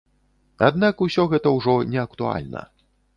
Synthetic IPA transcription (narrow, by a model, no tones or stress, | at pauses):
ad̪nakusʲɔɣɛt̪ɐwʐɔnʲɛɐk̚t̪ua̰lʲnɐ̰